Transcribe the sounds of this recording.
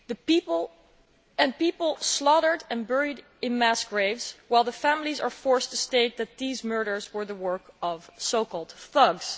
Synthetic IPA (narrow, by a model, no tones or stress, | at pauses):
ðə | ɛ̃npipəl̩ˠslɑɾə˞dɨ̃nbɛɹid | ɪ̃nmæsɡ̥ɹeɪvz̥waɪlˠðəfæmlˠizə˞fɔɹstʰɨsteɪt̪̚ðɨt̪̚ðizmɜ˞ɾə˞zwə˞ðəwɜ˞kʌv̥soʊkɔlˠd̥θʌɡz̥